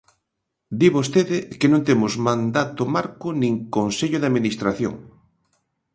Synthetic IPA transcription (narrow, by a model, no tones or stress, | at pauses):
d̪iβost̪eðɪkenõnt̪emʊzmãnd̪at̪ʊmaɾkʊnĩŋkonseʎʊðaðminist̪ɾaθjo̰ŋ